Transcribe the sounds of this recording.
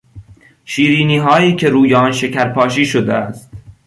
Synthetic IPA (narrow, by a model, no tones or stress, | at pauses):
ʃiːɾiːniːɦɒːiːcʰe̞ɾuːjeɒːnʃecʰæɾpʰɒːʃiːʃod̪eæst̪